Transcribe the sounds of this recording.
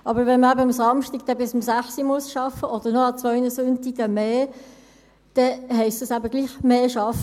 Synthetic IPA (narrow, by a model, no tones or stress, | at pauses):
ʔɑbəɾvɛnməæbəʊmsɑmʃtiɡ̚d̥ɛbɪsʊmsæχsimuəsʃɑfəʔod̥ənɔɑt͡svœʏnəsʊntiɡ̥əmeː | d̥ɛhɛɪstəsæbəɡ̥liːχmeːʃɑfə